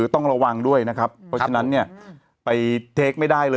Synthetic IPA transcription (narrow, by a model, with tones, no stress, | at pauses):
ɯː˩˦t̪ɔ˥˩ŋɾa˧wa˧ŋdu˥˩əjna˦˥kʰa˦˥pʰːɔ˦˥t͡ɕʰa˧na˦˥nːi˥˩ɐ | pa˧jt̪ʰeː˦˥k̚ma˥˩jda˥˩jlɤː˧